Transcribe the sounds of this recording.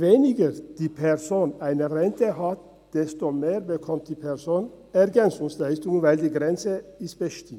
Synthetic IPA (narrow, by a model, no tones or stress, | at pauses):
ʋeːnɪɡəɾd̪̥iːpʰɛɾsoːnæɪnəɾɛnt̪əhɑt̪ | d̪̥ɛst̪omeːɾbəkʰɔmt̪̚d̪iːpʰɛɾsoːn | ɛɾɡɛnsʊŋslæɪst̪ʊŋənʋæɪld̪iːɡɾɛnsəɪst̪̚b̥əʃt̪ɪm